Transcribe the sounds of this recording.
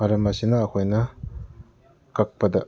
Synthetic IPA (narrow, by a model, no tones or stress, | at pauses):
mɐɾɐmɐsinɐːkʰojnɐ | kɐk̚pɐd̪ɐ